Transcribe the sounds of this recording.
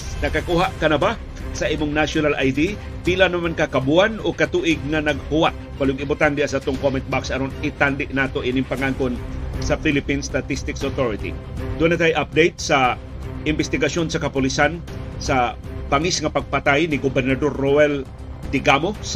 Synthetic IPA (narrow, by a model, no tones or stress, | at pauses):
nɐkakuhaʔkɐnɐba | sɐʔiːmʊŋnaʃonalʔajd̪i | pilanɐmankakabuanokɐt̪uːʔɪɡ̚ŋanɐɡ̚hʊwat̪̚palʊɡɪbʊt̪and̪ɛasat̪oŋkomɛnt̪̚baksɐɾonɪt̪and̪ɪʔnaːt̪oʔɪnɪmpaŋaŋkonsɐfilɪpinst̪at̪ist̪ɪksot̪oɾɪt̪ḭ | d̪unat̪ajʔap̚d̪ejt̪̚sɐ | ʔɪmbɛst̪ɪɡaso̞nsɐkɐpʊlisan | sɐ | baŋisŋɐpɐɡ̚pat̪ajnɪɡobɛɾnɐd̪oɾːoɛl | d̪ɪɡamos